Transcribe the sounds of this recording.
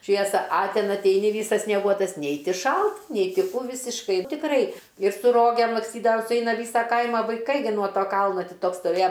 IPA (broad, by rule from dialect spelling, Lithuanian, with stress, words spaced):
ˈʃʲʋʲiɛsɐ ɐ ˈtʲɛn ɐtʲˈɛɪnʲɪ ˈʋʲiːsɐs sʲnʲiɛˈɡuɔtɐs ˈnʲɛɪ ˈtʲɪ ˈʃɐlˠt ˈnʲɛɪ ˈtʲɪ ˈkuː ˈʋʲɪsʲɪʃkɐɪ tʲɪkˈrɐɪ ɪr sʊ ˈroːɡʲeːm lˠɐksʲˈtʲiːdɐʋɐm sʊˈɛɪnɐ ˈʋʲiːsɐ ˈkɐɪmɐ ʋɐɪˈkɐɪ nuɔ ˈtoː ˈkɐlˠnoː ˈtʲiː ˈtoːks stoːˈʋʲeːjɛ